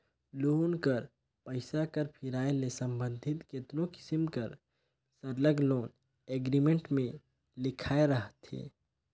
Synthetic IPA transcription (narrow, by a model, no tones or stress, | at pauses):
loːnkəɾ | pəɪsakəɾpʰɪɾaːelesə̃mbə̃nd̪ʱɪt̪kɪt̪nõkɪ̥səmkəɾ | səɾləɡloːn | eːɡɾimẽɳʈmẽ | lɪkʰaːeɾəɦət̪ɦḛː